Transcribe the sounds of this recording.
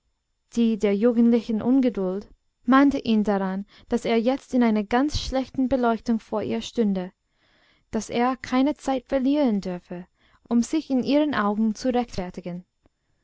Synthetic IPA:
d̥iːdeːɐjuːɡn̩tlɪçən̩ʔʊnɡədʊlt | maɪntəʔiːndaʁan | d̥aseːɐjɛt͡stɪnaɪnɐɡant͡sʃlɛçtn̩bəlɔʏçtʊŋfoːɐʔiːɐʃtʏndə | d̥aseːɐkʰaɪnət͡saɪtfɛɐliːʁəndʏɐfə | ʔʊmz̥ɪçɪnʔiːʁənʔaʊɡŋ̩t͡suʁɛçtfɛɐtɪɡən

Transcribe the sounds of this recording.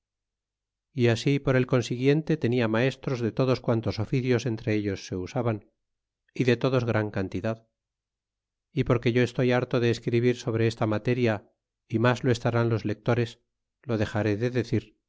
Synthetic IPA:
iasipo̞ɾe̞lko̞nsiɣje̞nt̪e̞t̪e̞niamae̞st̪ɾo̞zðe̞t̪o̞ðo̞skwant̪o̞so̞fiθjo̞se̞nt̪ɾe̞eʎo̞sːe̞usaβan | iðe̞t̪o̞ðo̞zɣɾaŋkant̪iðað | ipo̞ɾke̞ʝo̞e̞st̪o̞jaɾt̪o̞ðe̞ːskɾiβiɾso̞β̞ɾe̞est̪amat̪e̞ɾja | imazloe̞st̪aɾanlo̞zle̞k̚t̪o̞ɾe̞s | lo̞ðe̞xaɾe̞ðeðe̞θiɾ

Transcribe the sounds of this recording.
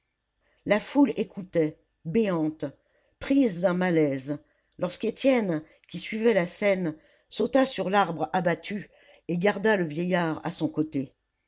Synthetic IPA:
lafulekʰut̪ɛ | beɑ̃t̪ | pχizd̪ɛ̃malɛz | lɔʁsket̪jɛn | kʲisɥivɛlasɛn | sot̪asyʁlaʁbʁabat̪ʰy | eɡaʁd̪aləvjejaʁa̰sɔ̃kot̪e

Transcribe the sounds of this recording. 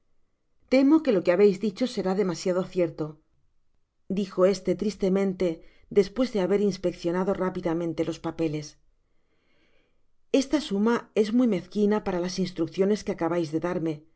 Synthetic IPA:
t̪e̞mo̞ke̞lo̞keaβe̞jzðit͡ʃo̞se̞ɾaðe̞masjað̞o̞θje̞ɾt̪o̞ | d̪ixo̞e̞st̪e̞t̪ɾist̪e̞mẽ̞nt̪e̞ | d̪e̞spwe̞zðe̞aβe̞ɾinspe̞kθjo̞naðo̞rapiðamẽnt̪e̞lo̞spape̞le̞s | e̞st̪asumae̞zmujme̞θkinapaɾalasinst̪ɾukθjo̞ne̞skeakaβajzðe̞ðaɾme̞

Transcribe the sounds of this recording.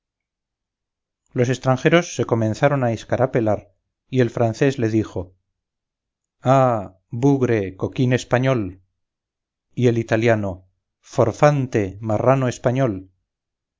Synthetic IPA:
lo̞se̞st̪ɾaŋxe̞ɾo̞sːe̞ko̞mẽ̞nθaɾo̞naeskaɾape̞laɾ | ie̞lfɾanθe̞zle̞ðixo̞ | a | buɣɾe̞ko̞kine̞spaɲo̞l | ie̞lit̪aljano̞ | fo̞ɾfant̪e̞maranoe̞spaɲo̞l

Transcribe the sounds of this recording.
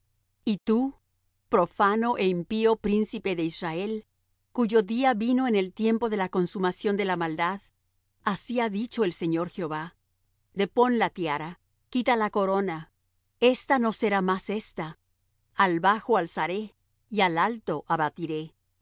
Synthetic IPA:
it̪u | pɾo̞fanoʔeimpio̞pɾinsipe̞ðe̞israe̞l | kuʝo̞ðiaβino̞ene̞lt̪je̞mpo̞ðe̞lako̞nsumasjo̞nd̪e̞lamald̪að | asiaðit͡ʃo̞e̞lse̞ɲo̞ɾxjo̞βa | d̪e̞po̞nlat̪jaɾa | kit̪alako̞ɾo̞na | e̞st̪ano̞seɾamase̞st̪a | alβaxoalsaɾe | ialalt̪o̞ʔaβat̪iɾe̞

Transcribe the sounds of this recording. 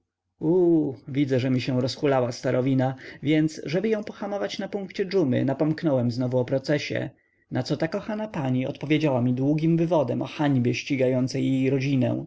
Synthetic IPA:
uvʲid̪zɛʐɛmʲiɕɛ̃w̃ɾɔsxulawast̪aɾʔɔvʲinavʲjɛnt̪sʐɛbɘjɔ̃w̃pɔxamɔvat͡ɕnapuŋkt͡ɕɛd͡ʐumɘ̰napɔmknɔwɛmznɔvuɔpɾɔt̪sɛɕɛ̰ | nat̪sɔt̪akɔxanapaɲiɔ̰t̪pɔvʲjed͡ʑawamʲid̪wuɡʲimvɘvɔd̪ɛmʔɔ̰xaɲbʲjɛɕt͡ɕiɡajɔnt̪sɛjːejɾɔd͡ʑinɛ̰w̃

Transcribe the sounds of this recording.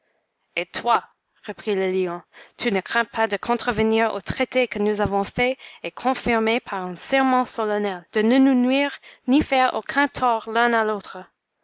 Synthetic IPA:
et̪ʰwa | ʁəpχiləliɔ̃t̪ʰynəkχɛ̃pʰad̪əkʰɔ̃t̪χəvəniʁo̰t̪χet̪ekənuzavɔ̃fɛekʰɔ̃fiʁmepʰaʁɛ̃sɛʁmɑ̃sɔlanɛld̪̥ənənunwiːʁnifɛʁo̰kʰɛ̃t̪ʰɔʁlɛ̃nalot̪χə

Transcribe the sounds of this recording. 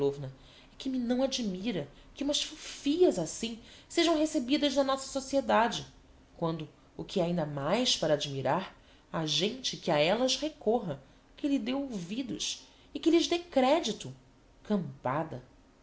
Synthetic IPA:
ovnɐ | ɛkɪmɪnɐ̃w̃ad͡ʒimiɾɐkɪũmɐʃfufiɐzasĩseʒɐ̃w̃ɦesebid̪ɐznɐnɔsɐ̥sosied̪ad͡ʒɪ | kwɐ̃nd̪ʊ | ʊkʰɪɛaĩnd̪ɐmajspaɾɐaːd͡ʒimiɾaɾ | aʒẽnt͡ʃɪkɪaɛlɐzhekɔɦɐ | kɪlɪd̪ewowvid̪ʊ̰ʃ | ɪkɪlɪzd̪ekɾɛd͡ʒit̪ʊ | kɐ̃mpad̪ɐ

